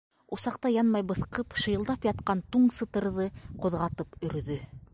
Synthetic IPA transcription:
usɑqt̪ɑjɑnmɑjbɤ̆θqɤpʃɤ̆jɤ̆lˠd̪ɑpjɑt̪̚qɑnt̪uɴsɤ̆t̪ɤ̆ɾðɤqŏðʁɑt̪ɤpɵ̆ɾðɵ

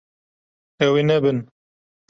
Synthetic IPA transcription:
ɛwinɛbɨn

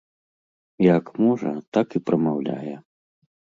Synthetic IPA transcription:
jakmɔʐɐ̰t̪akipɾɐmawlʲa̰jɛ

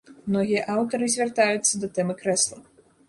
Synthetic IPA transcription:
mnɔɣʲijɐʔawt̪ɐɾɨzʲvʲɐrt̪ajut̪sːɐd̪ɐt̪ɛmɨkɾɛslˠɐ

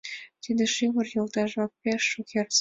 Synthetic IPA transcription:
t̪id̪eʃiβɤ̆rjolt̪ɑʒɑk̚pʲeʃːukʲers

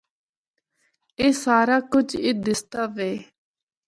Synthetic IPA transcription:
eːsaːɾaːkʊd͡ʒɪːd̪ɪst̪aːʋeː

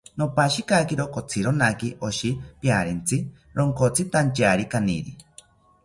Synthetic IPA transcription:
nopaʃikakiɾokot͡sʰiɾonakiʔoʃipjaɾent͡sʰi | ɾoŋkot͡sʰit̪ant͡ʃaːɾikanḭɾḭ

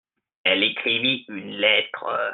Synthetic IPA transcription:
ɛlekχiviynlɛt̪χə

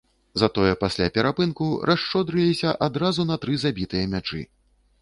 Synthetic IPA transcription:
zɐt̪ɔjɛpasʲlʲapʲɛɾapɨnkurʔaʂt͡ʂɔd̪ɾɨlʲisʲɐʔad̪ɾazunɐt̪ɾɨzabʲit̪ɨjɐmʲat͡ʂɨ̰

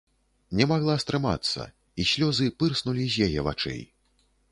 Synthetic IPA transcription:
nʲɛmaɣlˠast̪ɾɨma̰t̪sːɐ̰ | isʲlʲɔzɨpɨrsnulʲizʲjajɛva̰t͡ʂɛ̰j

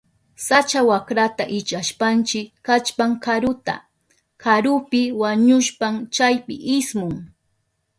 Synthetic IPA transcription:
sat͡ʃawakɾat̪aʔɪt͡ʃaʃpant͡ʃɪkːat͡ʃpaŋkaɾʊt̪a̰ | kʰaɾʊpɪwaɲʊʃpaŋt͡ʃajpɪ̰ʔɪsmʊŋ

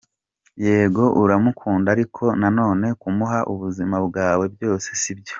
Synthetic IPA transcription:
je̞ːɡo̞ʔuɾamukʰuːndaɾikʰo̞nano̞ːne̞kumuɦaʔuβuzimabɡaːwe̞bjo̞ːse̞sibjo̞

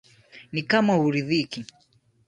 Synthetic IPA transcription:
nikamauɾiðiki

